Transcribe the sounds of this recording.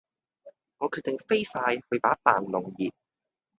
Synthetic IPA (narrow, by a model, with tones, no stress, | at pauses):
ŋɔː˨˧kʰyː˨˩t̚t̪e˨ŋfe˥jfaː˧jhɵ˨˧ɥp̪aː˨˥t̪aː˨˩nlʊ˨˩ŋjiː˨˩p̚